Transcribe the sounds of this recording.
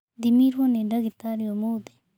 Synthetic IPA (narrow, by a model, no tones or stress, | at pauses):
d̪imiɾwoneɖɐɡit̪aːɾijomod̪e̥